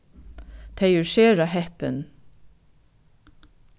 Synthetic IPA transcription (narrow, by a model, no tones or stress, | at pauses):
t̪ʰæɪʉɹʃeːɹɑhɛpə̰n